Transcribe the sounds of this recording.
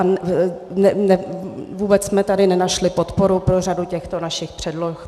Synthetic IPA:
annɛnɛvuːbɛt͡ssmɛt̪adɪnɛnaʃlɪpo̞t̪po̞ɾupɾor̝aducɛxt̪o̞naʃɪxpr̝̥ɛdlox

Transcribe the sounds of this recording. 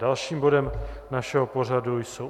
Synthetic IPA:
dalʃiːmbo̞dɛmnaʃɛɦopo̞r̝adujsow

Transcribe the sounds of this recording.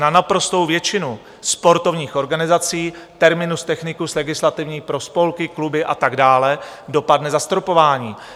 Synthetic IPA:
nanapɾo̞st̪o̞wvjɛt͡ʃɪnu | spo̞ɾt̪o̞vɲiːxʔo̞ɾɡanɪzat͡siː | t̪ɛɾmɪnust̪ɛxnɪkuslɛɡɪslat̪ɪvɲiːpɾo̞spo̞lkɪklubɪʔat̪aɡdaːlɛdo̞padnɛzast̪ɾopo̞vaːɲiː

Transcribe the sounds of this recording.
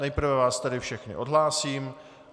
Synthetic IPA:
nɛjpr̩vɛvaːst̪ɛdɪfʃɛxnɪ̰ʔodɦlaːsiːm

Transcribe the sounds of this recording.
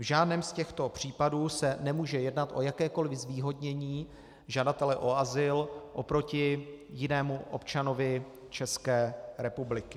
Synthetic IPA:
vʒaːdnɛːmscɛxt̪o̞pr̝̥iːpaduːsɛnɛmuːʒɛjɛdnat̪ʔo̞̰jakɛːko̞lvɪzviːɦo̞dɲɛɲiː | ʒadat̪ɛlɛʔo̞azɪlʔo̞pɾo̞cɪjɪnɛːmuʔo̰pt͡ʃano̞vɪ | t͡ʃɛskɛːɾɛpublɪkɪ̥

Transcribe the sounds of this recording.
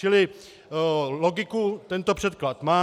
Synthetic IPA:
t͡ʃɪlɪ | loɡɪkut̪ɛnt̪opr̝̥ɛt̪klat̪maː

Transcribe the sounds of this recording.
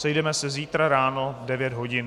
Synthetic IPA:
sɛjdɛmɛsɛziːt̪ɾaɾaːnovdɛvjɛd̪ɦo̞ɟɪn

